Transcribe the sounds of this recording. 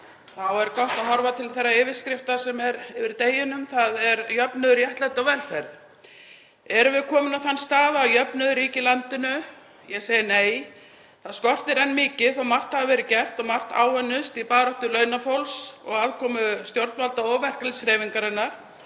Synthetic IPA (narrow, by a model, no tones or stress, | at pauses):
θawɛɾkɔht̪aɦɔɾvat̪ʰɪlθɛrːaɪːvɪɾ̥skɾɪft̪ḁsɛmɛɾɪvɪɾt̪eːjɪnʏmθaðɛɾjœpnʏðʏɾjɛht̪lat̪awvɛlfɛɾð | ɛɾʏvɪðkʰɔːmʏnawθanːst̪aːðawjœpnʏðʏɾiːcɪlant̪ɪnʏ | jɛɣseːjɪneːj | θaðskɔr̥t̪ɪɾɛnːmɪːcɪθawmar̥t̪havavɛːɾʏcɛr̥t̪ɔɣmar̥t̪a̰ːwœnːʏst̪ipaːɾɔht̪ʏlœːɥnafowlsɔ̰ɣaːðkʰɔːmʏst̪jowɾt̪nvalt̪aɔːvɛr̥klsɾɛviŋkaɾɛnːaɾ̥